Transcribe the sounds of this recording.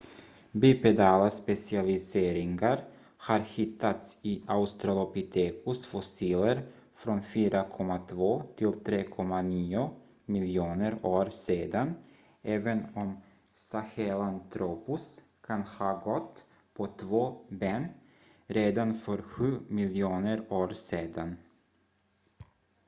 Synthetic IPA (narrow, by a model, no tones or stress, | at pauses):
byːpɛd̪ɑːlaspɛsɪalɪseːɾɪŋɡaɾ | haɾhɪt̪ʰːat̪sɪʔaʊst̪ɾalɔpɪt̪ʰeːkʰʊsfɔsiːləɾ | fɾɔnfyːɾakʰɔmːat̪ʰvoːt̪ʰɪlt̪ʰɾeːkʰɔmːaniːʊ | mɪljuːnəɾoːɾseːd̪an | ɛːvənɔm | sahɛlant̪ʰɾuːpʊs | kʰanhɑːɡɔt̪ | pʰɔt̪ʰvoːbeːn | ɾeːd̪anfœɾɧʉ̟ːmɪljuːnəɾoːɾseːd̪an